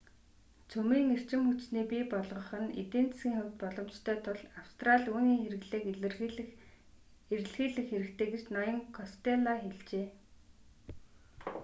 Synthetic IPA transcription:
t͡sʰɵmiːŋer̥t͡ɕɪ̆mxut͡ɕniːpiːpɔɮʁɞ̆χə̆nḛt̪eːnt͡ssɡʲiːŋxɵwʲt̪̚pɔɮɞ̆mt͡ɕt̪ʰœːt̪ʰʊɮawst̪raɮʲuːniːŋxeɾɘ̆ɣɮeːkr | eɾ̆ɮxiːɮɘ̆xːeɾɘ̆kt̪ʰeːɡet͡ɕnɔjɞ̆ŋkʰɔst̪eɮaxeɮt͡ɕeː

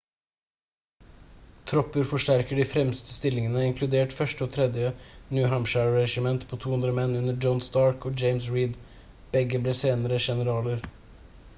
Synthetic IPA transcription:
t̪ʰɾɔpəɾfɔʂʈæɾkəɖiːfɾɛmst̪əst̪ɪlɪŋənəɪŋkʰlʉd̪eːʈfœʃʈəoːt̪ʰɾɛd̪jənjʉːɦæmʃæɹɹɛʃɪmɛnt̪pʰoːt̪ʰuːʉnd̪ɾəmɛnʉnəd͡ʒɔnsd̪ɑːɹkoːd͡ʒeɪmsɹiːd̪ | b̥ɛɡəbleːseːnəɾəʃɛnəɾɑːləɾ

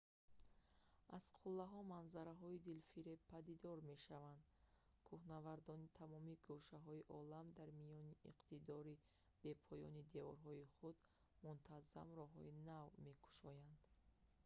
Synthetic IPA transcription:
az̥qʰulːaɦɔmanzaɾaɦɔid̪ilfiɾepʰːad̪id̪ɔɾme̞ʃavand̪ | kʰuhnavaɾd̪ɔnit̪ʰamɔmiɡuʃaɦɔiʔɔlamd̪aɾmijɔniiqt̪id̪ɔɾi | b̥e̞pʰɔjɔ̰nid̪e̞ɔɾɦɔiχud̪ | munt̪ʰaza̰mɾɔɦɔ̰inavme̞kʰu̥ʃɔjand̪̥

